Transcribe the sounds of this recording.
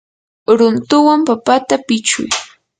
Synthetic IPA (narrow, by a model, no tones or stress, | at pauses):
ɾʊnt̪ʊwampapat̪apɪt͡ʃʊ̰j